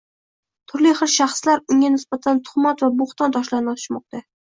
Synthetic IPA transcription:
t̪ʰʊɾlɪχɨɾʃaχslaɾʊŋʲanɪsbat̪ʰant̪ʰʊ̥χmat̪vabʊχt̪ɒnt̪ʰɒʃlaɾɪnɒt̪ʰɪ̥ʃmɒq̚t̪a

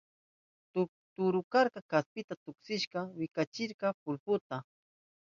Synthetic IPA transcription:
t̪ʊɾʊkaɾqɑkaspɪt̪at̪ʊksɪʃqɑwɪkat͡ʃɪɾqɑpʊlpʊt̪a

